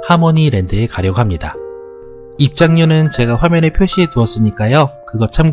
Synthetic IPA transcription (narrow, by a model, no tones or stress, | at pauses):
hamʌɲiɾe̞ndɯe̞kaɾjʌɡoɦamɲida | ip̚t͡ɕ͈aŋɲunɯnt͡ɕe̞ɡaɸwamjʌnɯɭpʰjoɕʰietuʌs͈ɯɲik͈ajokɯɡʌt͡ɕʰam